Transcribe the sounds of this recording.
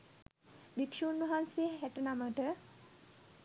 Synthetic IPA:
bikʂuːnʋɐɦansejeɦæʈənaməʈə

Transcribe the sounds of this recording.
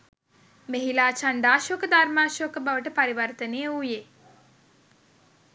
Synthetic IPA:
meɦilaːt͡ʃaɳɖaːʃokəd̪armaːʃokəbaʋəʈəpaɾiʋɐrt̪ənejəuje

